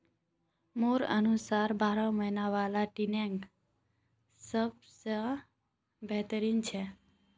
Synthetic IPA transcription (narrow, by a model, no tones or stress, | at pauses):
moɾə̰nusaɾbaɾəməɦnaʋalaʈineŋɡ | səb̚ | sə | bʱet̪əɾint͡ʃʰe